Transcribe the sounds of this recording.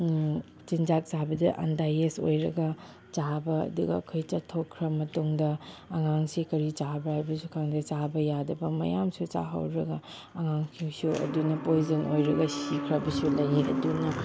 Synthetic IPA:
t͡ʃind͡ʒak̚sabɐdɐʔɐ̰ndajeso̰jɾɐɡɐ | t͡ʃabɐɐ̰duɡɐ̰ːkʰojt͡ʃɐtʰːokʰːɾɐmɐtuŋdɐːŋaŋsikɐɾit͡ʃabɐhajbɐsukʰaŋdɐt͡ʃabɐjadɐbɐmɐ̰jamsut͡ʃa̰ɦɐ̰wɾɐɡɐ | ɐŋaŋkʰiŋsuʔɐ̰dunɐpojzɐnʔojɾɐɡɐsikʰɾɐbɐsulɐjiɐ̰dunɐ

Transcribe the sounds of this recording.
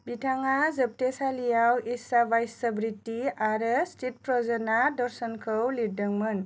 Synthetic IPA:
bitʰaŋazəp̚tesalijawisabajsəbɾitːiaɾɯstʰit̚pɾɔzɔnadɔɾsɔnkʰɯwliɾdəŋmɯn

